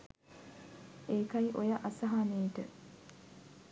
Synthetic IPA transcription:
eːkɐiʔojɐʔɐsɐɦaːneːʈə

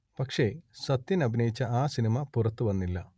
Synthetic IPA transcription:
pɐkʂe̞ɕɐt̪ːjinɐbʱinɐjit͡ɕːɐaːsinimɐpurɐt̪ːuʋɐnːilːɐ

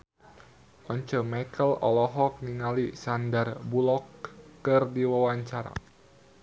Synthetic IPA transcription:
ʔɔɲt͡ʃəmakəlɔ̰lɔɦɔk̚niŋalisandarbulɔkːɨrdiwawaɲt͡ʃaɾa̰

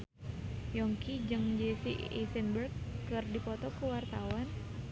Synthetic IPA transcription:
jɔŋkid͡ʒɨŋd͡ʒesiḭsənbərkːɨrdipɔt̪ɔkəwart̪awan

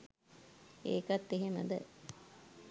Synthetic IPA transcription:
ḛːkat̪ːeɦemə̰d̪ə̰

